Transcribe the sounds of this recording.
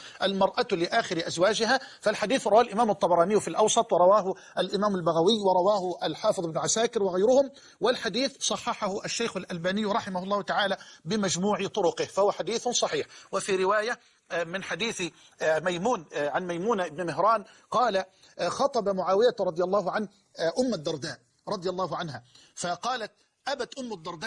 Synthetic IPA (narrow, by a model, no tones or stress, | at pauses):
ʔalmɑɾˤʔalɪʔaːxɪɾɪʔazwaːd͡ʒɪɦaːfalħad̪iːθɾˤɑwaːlʔɪmaːmɑt̪ˤːɑbɑɾˤɑːnɪjːʊfilʔɑwsˤɑt̪ˤwɪɾˤɑwaːɦʊ | ʔalʔɪmaːmalbaɣawɪjːwɑɾˤɑwaːhʊʔalħɑːfɨðˤɪbnʊʕasaːkɪɾwɪɣajɾʊhʊm | wɪlħad̪iːθsˤɑħːɑħahʊʔaʃːajxʊlʔalbaːnɪjːɾˤɑħɪmahʊlˤːɑːhʊt̪aʕaːlabɪmad͡ʒmuːʕɪt̪ˤʊɾʊqɪhfahʊwaħad̪iːθsˤɑħiːħwɪfiːɾɪwaːja | mɪnħad̪iːθ | majmuːnʕanmajmuːnaʔɪbnɪmɪɦɾɑːn | qɑːla | xɑt̪ˤɑbamʊʕaːwɪjaɾˤɑd̪ˤɪjalˤːɑːhʊʕan | ʔʊmːad̪ːɑɾˤd̪aːʔ | ɾˤɑd̪ˤɪjalˤːɑːɦʊʕanha | faqɑːlat̪̚ | ʔabat̪ʔʊmːad̪ːɑɾˤd̪a